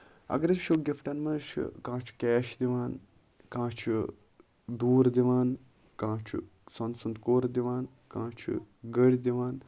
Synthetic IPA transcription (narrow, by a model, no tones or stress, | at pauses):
ɐ̰ɡɾɐʃoɡʲifʈɐnmɐnʃʰkãːt͡ʃʰu̥kɛːʃd̪iʋaːn | kãːt͡ʃʰu | d̪uːɾd̪iʋaːn | kãːt͡ʃʰṵ | sɐnsund̪koːɾd̪iʋaːn | kãːt͡ʃʰṵɡəɽʲd̪iʋaːn